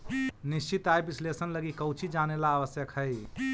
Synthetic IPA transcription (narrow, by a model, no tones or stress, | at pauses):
nist͡ʃit̪ajbislesənləɡikəwt͡ʃʰid͡ʒanelaːʋəsjəkɦəj